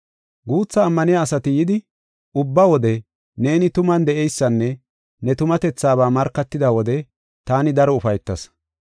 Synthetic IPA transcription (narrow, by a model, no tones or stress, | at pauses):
ɡuːt͡sːɐːmːɐnɪjaːsɐt̪ɪjɪd̪ɪ | ʊbːɐwɔd̪ɛ | ne̞ːnɪt̪ʊmɐnd̪ɛʔɛjsːɐnːɛ | nɛt̪ʊmɐt̪ɛt͡sːaːβaːmɐɾkːɐt̪ːɪd̪ɐwɔd̪ɛ | t̪aːnɪd̪ɐɾɔʊfɐjt̪ːɐs